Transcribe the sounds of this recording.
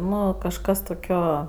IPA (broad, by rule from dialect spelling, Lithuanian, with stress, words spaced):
ˈnʊ kɐʃˈkɐs toːˈkʲoː